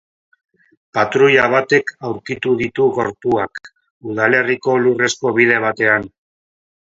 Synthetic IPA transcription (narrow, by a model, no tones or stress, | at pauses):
pat̪ɾuʎaβ̞at̪e̞kawɾkit̪uðit̪uɣo̞ɾt̪uak | uð̞ale̞riko̞lure̞sko̞βið̞e̞β̞at̪e̞an